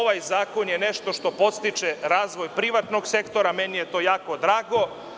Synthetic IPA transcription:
oʋajzaːko̞njeneʃt̪o̞ʃt̪o̞po̞t̪st̪it͡ʃeɾaːzʋo̞jpɾiʋat̪noɡse̞kt̪o̞ɾamenijet̪o̞jaːko̞d̪ɾaːɡo̞

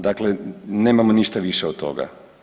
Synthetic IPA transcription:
d̪akleneːmamoniʃt̪aʋiʃeot̪̚t̪o̞̰ɡa̰

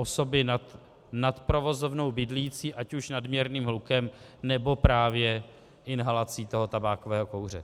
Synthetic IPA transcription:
ʔoso̞bɪnat̪ | nat̪pɾo̞vo̞zo̞vno̞wbɪdliːt͡siːʔacuʃnadmɲɛɾniːmɦlukɛm | nɛbo̞pɾaːvjɛ | ʔɪnɦalat͡siːt̪o̞ɦo̞t̪abaːkovɛːɦo̞ko̞wr̝ɛ

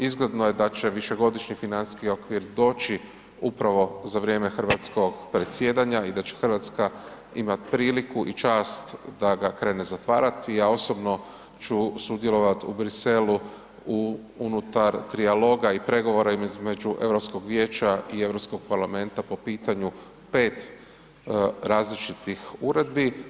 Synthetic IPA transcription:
izɡle̞d̪no̞je̞d̪at͡ʃe̞ʋiʃe̞ɡo̞d̪iʃɲifinansskio̞kʋiɾd̪o̞ːt͡ʃi | upɾaʋo̞zaʋɾʲje̞ːme̞xr̩ʋat̪sko̞ɡpɾe̞t̪sje̞ːd̪aɲaid̪at͡ɕexərɾʋaːt̪ska | imat̪pɾiːlikuʔit͡ʃaːst̪d̪aɡakɾe̞ːne̞zat̪ʋaːɾat̪iao̞so̞bno̞ | t͡ʃusud̪jelˠo̞ʋat̪ubɾise̞lu | u | unut̪aɾt̪ɾialo̞ːɡaipɾe̞ɡo̞ʋo̞ɾaiizme̞d͡ʒuʔe̞ʋɾo̞psko̞ɡʋjeːt͡ʃaie̞ʋɾo̞psko̞ɡ̚paɾlame̞nt̪apo̞piːt̪aɲu | pe̞ːt̪ | ɾaːzlit͡ʃit̪ixuɾe̞d̪̚bi

